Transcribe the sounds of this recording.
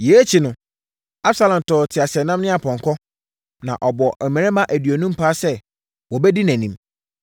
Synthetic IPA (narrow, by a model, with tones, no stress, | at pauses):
jeː˨˦t͡ɕʰi˨nʊ̃˨ | a˦bsa˨lã˨m˨tɔː˨tʰɪ˨a˨sɪ˨ɛ˨nã˦mnɪ̃˦a˨pʰɔ̃˨ŋkʰɔ˦ | nã˨ʔɔ˨bɔ˨ʔɛ˨mɛ̃˨ɾɛ̃˦mã˦ʔæ˨dɥɔ˨nũ˦m̩˦pʰaː˦sɛ˦ | wɔ˨bɛ˦di˦næ̃˨nĩ˦m